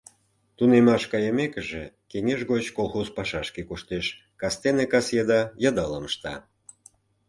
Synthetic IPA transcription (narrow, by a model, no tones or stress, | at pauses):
t̪unemɑʃkɑjəmekəʒḛ | keŋeʃɣot͡ɕkolˠxozpɑʃɑʃkekuʃt̪eʃ | kɑst̪enekɑsjed̪ɑjɑd̪ɑləməʃt̪ɑ̰